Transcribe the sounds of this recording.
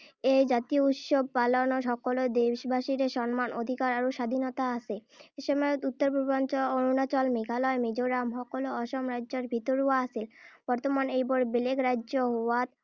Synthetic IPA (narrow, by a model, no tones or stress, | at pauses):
ejd͡ʑat̪ijout̪ʃob̚palonoʃ̬ɔkolod̪ewʃbʱaʃiɾeʃɔnmanʔod̪ʱikaɾaɾoʃad̪ʱinot̪aasʰeeʃɔmɔut̪ːoɾbʱuɾbant͡ɕonunat͡ɕɔlmeɡʱalɔemed͡ʑoɾamɦɔkoloɔʃomɾadːd͡ʑoɾbʱit̪oɾuaasʰilb̥ɔɾt̪omanejbɔɾbelekɾaːʑoɦowat̪